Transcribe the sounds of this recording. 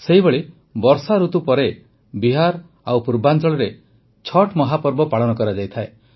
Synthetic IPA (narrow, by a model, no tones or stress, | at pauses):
seɦibeɭi | bɔɾsaɾut̪upɔɾe | biɦaɾ | awpuɾband͡ʒɔɭɔɾe | t͡ʃʰɔʈʰmɔɦapɔɾbɔpaɭɔnɔkɔɾad͡ʒajt̪ʰae